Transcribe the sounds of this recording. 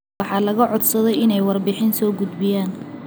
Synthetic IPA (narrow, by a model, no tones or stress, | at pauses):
ɑħɑːlɐɣɐʕɔd̪sɐðɛjɪnɛjwɑrbɪħɪnsɔːɡʊd̪bɪjaːn